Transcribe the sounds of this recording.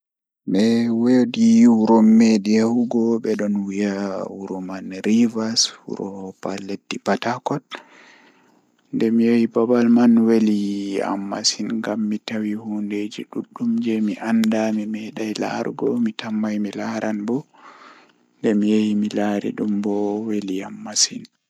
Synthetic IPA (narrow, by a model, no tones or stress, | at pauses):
ɓɛwediuɾɔmːediahuɡɔɓɛɗɔnwijawuɾɔmanɾivashṵɾɔpaletːipatakɔt | ndɛmijejibabalmanwelia̰mːa̰sinŋɡamːitawihunded͡ʒiɗuɗːumd͡ʒɛmiʔandamimɛɗajla̰ɾɡɔ̰mitambajmilaɾʔanbɔ | ndɛmijejimilaɾḭɗumbɔweliamːasin